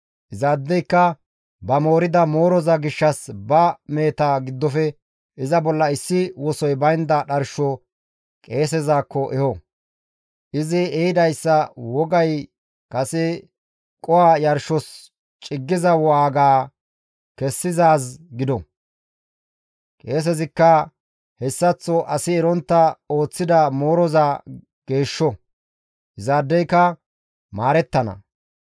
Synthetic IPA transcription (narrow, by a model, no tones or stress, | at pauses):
ʔɪzaːd̪ːɛjkːɐ | bɐmo̞ːɾɪd̪ɐmo̞ːɾɔzɐɡɪʃːɐsbɐme̞ːt̪aːɡɪd̪ːɔfɛ | ɪzɐbɔlːɐɪsːɪwɔsɔjbɐjnd̪ɐɗɐɾʃɔ | kʼe̞ːs̬ɛzaːkːɔʔɛhɔ | ʔɪzɪɛɪd̪ɐjsːɐwɔɡɐj | kɐsɛ | kʼɔwajɐɾʃɔs | t͡ʃʼɪɡːɪzɐwɔaːɡaː | kɛsːɪzaːsɡɪd̪ɔ | kʼe̞ːs̬ɛzɪkːɐ | hɛsːɐt͡sːɔʔɐsɪɛɾɔnt̪ːɐo̞ːt͡sːɪd̪ɐmo̞ːɾɔzaː | ɡ̥e̞ːʃːɔ | ʔɪzaːd̪ːɛjkːɐ | maːɾɛt̪ːɐnɐ̰